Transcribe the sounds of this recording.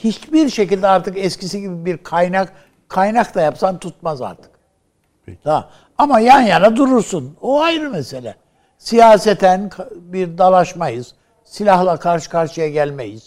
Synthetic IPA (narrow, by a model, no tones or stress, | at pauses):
hit͡ʃbiɾʃecilʲd̪ɛaɾt̪ʰɯkɛscʰisiɟibibiɾkʰajnak | kʰːajnakt̪ajapsant̪ʰut̪̚maza̰ɾt̪ʰɯ̥k̪ | a | amajanjanad̪uɾuɾsunoajɾɯmeselʲɛ̰ | sijaːsɛt̪ʰænkʰabiɾd̪alˠaʃmajɯz̥ | silʲahlˠakʰaɾʃɯ̥kʰaɾʃɯjaɟælʲmejiz̥